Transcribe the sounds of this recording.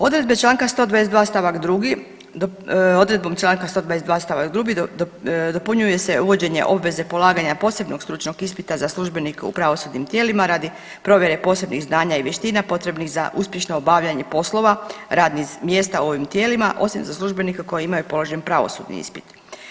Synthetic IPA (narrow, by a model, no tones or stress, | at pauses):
o̞d̪ɾe̞d̪̚bet͡ʃlˠaːŋkast̪o̞d̪ʋades̬d̪ʋaːst̪aʋakd̪ɾuɡi | o̞d̪ɾe̞d̪bo̞mt͡ʃlˠaːŋkast̪od̪ʋadesd̪ʋaːst̪aʋakd̪ɾuɡi | d̪o̞puɲuje̞se̞uʋo̞d͡ʑe̞ɲḛʔo̞bʋe̞ze̞po̞lˠaːɡaɲapo̞ːse̞bno̞ɡst̪ɾut͡ʃno̞ɡispit̪azaslˠuʒbenikeṵpɾaʋo̞sud̪nimt̪jeːlimaɾaːd̪i | pɾo̞ʋje̞ɾe̞po̞ːse̞bniɣznaːɲaiʋʲjeʃt̪inapo̞t̪ɾe̞bnixzaʔuspje̞ʃno̞obaʋʎaɲe̞po̞slo̞ʋaɾaːd̪nimje̞st̪auo̞ʋimt̪je̞ːlima̰ʔo̞simzaslˠuʒbe̞nikako̞jeimajupo̞lo̞ʒenpɾaʋo̞̰sṵd̪nḭḭspi̥t̪